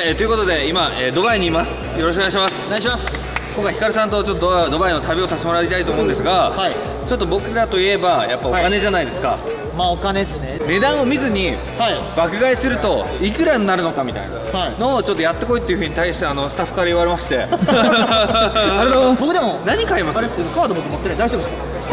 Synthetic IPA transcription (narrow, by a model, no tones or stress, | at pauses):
aet̪oɯ̟ko̞t̪o̞d̪e̞imaeːd̪o̞baiɲ̟iːmasɨ̥ | jo̞ɾoɕ̬koeaɕimasɨ̥mas | kokːaçi̥kaɾɯ̟sãnt̪o̞t͡ɕo̞t̪ːoːd̪o̞bainot̪abʲio̞sasɕt̪emo̞ɾaɾʲit̪ait̪oːmoɯ̃nd̪e̞sɨɡaai | t͡ɕo̞t̪ːo̞bo̞kɯ̟d̪at̪o̞ie̞bajapːaokane̞ʑanaid̪e̞sɨ̥ka̰ | maokaneesnene̞d̪ãɰ̃o̞mʲizɨɲ̟i | hai | bakɯ̟ɡaisɨɾɯ̟t̪o̞ | ikɯ̟ɾaɲinaɾɯ̟no̞kamʲit̪a̰ḭna̰haino̞ːt͡ɕot̪ːojat̪ːe̞ko̞it̪ːe̞iɯ̟ɸɯ̟ɲ̟it̪aiɕi̥t̪e̞ano̞sɨ̥t̪aɸːɯ̥kaɾaiβaɾe̞maɕi̥t̪e̞ | aɾed̪obokɯ̟d̪e̞monaɲ̟ikaimasɾekad̪obok̪ɯmot̪ːeɾɯd̪aiɕebsokː